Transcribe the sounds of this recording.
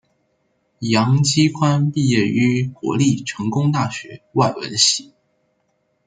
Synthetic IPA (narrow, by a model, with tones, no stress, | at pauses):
jɑ˧˥ŋt͡ɕi˥kʰwa˥npi˥˧jɛ˥˩y˥˩kwɔ̰˧˥li˥˩ʈ͡ʂʰɤ˧˥ŋkʊ˥ŋt̪a˥˩ɕɥɛ˧˥wa˥˩ɪwə̰˧˥nɕi˧˩˦